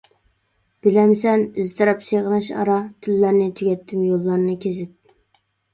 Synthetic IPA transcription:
b̥ɪlɛmsɛnizt̪ɨɾɑpseʁnɨʃɑ̰ɾɑt̪ʰylːæɾnɪt̪ʰyɡʲɛt̪ʰːɪmjolˠːɑɾnɨkʲʰezɪp̚

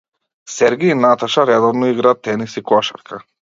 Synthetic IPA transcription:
sɛɾɡɛinat̪aʃaɾɛd̪ɔvnɔiɡɾat̪ːɛnisikɔʃa̰ɾkʰa

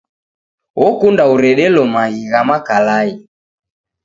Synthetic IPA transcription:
wɔkundauɾɛɗɛlɔmaɣiɣamakalai

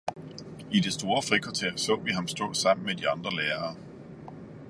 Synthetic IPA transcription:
id̥e̝sd̥o̝ːɐfʁikʰɒt͡sʰeɐsɔ̰̽ːʋiɦɑ̈msd̥ɔ̰̽ːsɑ̈m̰n̩med̥iɑ̈nd̥ʁɐleːɐː

